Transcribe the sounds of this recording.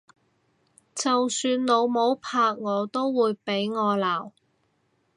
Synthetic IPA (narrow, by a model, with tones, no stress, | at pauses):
t͡sɐ˨wsyː˧nlo˨˧wmo˨˧˥wpʰaː˧k̚ŋɔː˨˧t̪o˥wːuː˨˧jpe˨˥jŋɔː˨˧laː˨˩w